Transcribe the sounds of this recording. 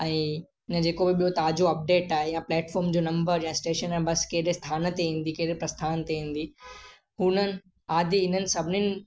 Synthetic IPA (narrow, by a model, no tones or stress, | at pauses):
ɛ̃ː | ɪnə̆d͡ʑeːkobɪɓijot̪aːd͡ʑoɐp̚ɖeːʈaːɦejãplɛːʈfɔːɾmd͡ʑoːnɐ̃mbəɾjãːsʈeːʃənaːebɐskeːɗest̪ʰaːnə̆t̪eɦĩːn̆d̪ikeːɗɾepɾɐst̪ʰaːnt̪eɦĩːn̆d̪i | ɦʊnənɪ̆ | aːd̪ʱiɪn̤ənɪ̆sɐbʱɪnɪnɪ̆